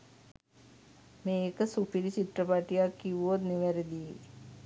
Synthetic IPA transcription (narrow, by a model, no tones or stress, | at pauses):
meːkəsupiɾit͡ɕit̪ɾəpaʈijakːiʋuot̪niʋæɾed̪iḛ